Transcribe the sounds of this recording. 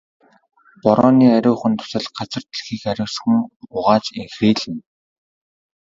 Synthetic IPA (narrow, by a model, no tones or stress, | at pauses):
pɔɾɔːniːæɾʲʊːχɘ̆nt̪ʰʊ̥sə̆ɮɢat͡sə̆r̥t̪̆ɮxiːkæɾʲʊ̆ːsxɘ̆ŋʊʁaːt͡ɕeŋxriːɮɘ̆n